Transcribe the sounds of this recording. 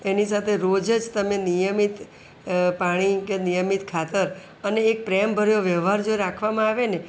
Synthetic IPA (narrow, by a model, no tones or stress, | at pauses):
enisat̪ʰeɾod͡ʒəd͡ʒt̪əmenijəmit̪ | paɽ̃ikenijəmit̪kʰat̪əɾ | əneːk̚pɾeəmbʱəɾjoʋjəʋɦaɾd͡ʒoiɾakʰʋamãaʋene